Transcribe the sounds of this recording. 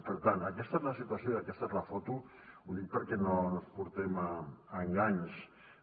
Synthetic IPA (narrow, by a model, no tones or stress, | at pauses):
peɾt̪anakest̪at̪lasit̪uasjoakest̪at̪lafot̪u | unipaɾkenonospuɾt̪emaaŋɡaɲs